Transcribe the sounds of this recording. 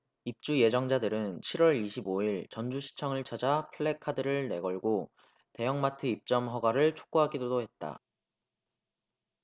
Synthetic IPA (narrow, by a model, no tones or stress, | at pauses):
ip̚t͡ɕ͈ujed͡ʑʌŋd͡ʑadɯɾɯnt͡ɕʰiɾwʌɾiɕʰiboiɭt͡ɕʌnd͡ʑuɕʰi̥t͡ɕʰʌŋɯɭt͡ɕʰad͡ʑapʰɯɭːekʰadɯɾɯɭne̞ɡʌɭɡo | te̞jʌŋmatʰɯip̚t͡ɕ͈ʌmɦʌɡaɾɯɭt͡ɕʰo̥k͈̚uɦaɡidodohe̞t̚t͈a̰